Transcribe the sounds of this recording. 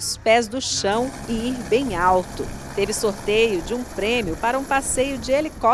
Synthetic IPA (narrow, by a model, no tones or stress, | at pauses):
spɛzd̪ʊʃɐ̃w̃ | ɪiɾbẽj̃awt̪ʊ̰ | t̪evɪsoɾt̪ejʊd͡ʒɪũpɾẽmjʊpaɾɐũpasejʊd͡ʒɪelikɔ